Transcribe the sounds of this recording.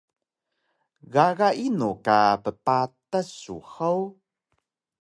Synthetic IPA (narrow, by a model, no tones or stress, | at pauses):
ɣaɣaʔinukapəpatasṵxaw